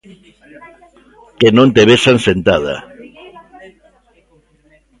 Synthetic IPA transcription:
kenõnt̪eβesansent̪aða̰

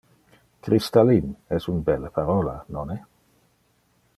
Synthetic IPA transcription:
kɾist̪alinɛsunbɛlːepaɾɔlanonɛ

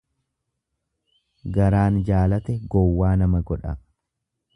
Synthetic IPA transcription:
ɡɐɾaːnd͡ʒaːlɐt̪ɛɡɔwːaːnɐmɐɡɔᶑɐ̰

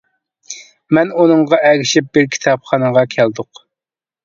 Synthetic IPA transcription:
mɛnunɨŋʁɑɛɡʲiʃɪp̚bɪɾkʲʰi̥t̪ʰɑpχɑnəʁɑkʲʰæld̪ʊq

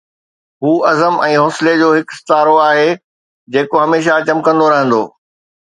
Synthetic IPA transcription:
ɦuːɐzəmɛ̃ːɦɔːsɪled͡ʑoːɦɪkst̪aːɾoaːɦeː | d͡ʑeːkoɦɐmeːʃ̬at͡ɕɐmkɐ̃nd̪oɾɐɦə̃nd̪o̰ː

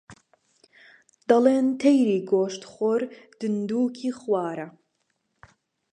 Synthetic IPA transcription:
d̪̥ɐleːnt̪ʰejɾiːɡoːʃt̪χoɾd̪̥ɨnd̪uːkʰiːχwɑːɾɐ

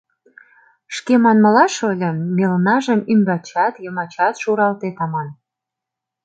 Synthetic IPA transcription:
ʃkemɑnmə̆lɑʃolʲə̆melnɑʒəmymbɑt͡ɕɑt̪jəmɑt͡ɕɑt̪ʃuɾɑlt̪et̪ɑmɑn

